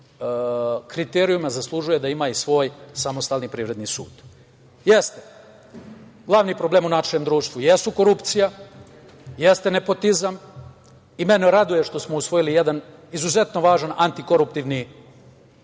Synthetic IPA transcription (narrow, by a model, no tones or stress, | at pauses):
kɾit̪eɾiumazaslˠuʒuje̞d̪aimaisʋo̞ːjsamo̞st̪aːlˠnipɾiːʋɾe̞d̪nisuːd̪̥ | jest̪e | ɡlˠaʋniːpɾo̞ble̞ːmunaʃemd̪ɾuːʃt̪ʋujesuko̞ɾupt̪sija | jest̪e̞ne̞po̞t̪izam | ime̞neɾad̪uje̞ʃt̪o̞smo̞usʋo̞jilijed̪anizuze̞t̪no̞ʋaːʒanant̪iko̞ɾupt̪iʋni